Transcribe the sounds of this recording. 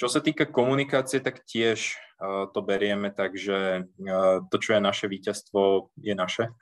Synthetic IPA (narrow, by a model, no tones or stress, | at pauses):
t͡ʃɔsat̪iːkakɔmunikaːt͡siɛt̪akcɪɛʃt̪ɔbɛɾɪɛmɛt̪aɡʒɛ | t̪ɔt͡ʃɔjɛnaʃɛʋiːcast̪ʋɔjɛnaʃɛ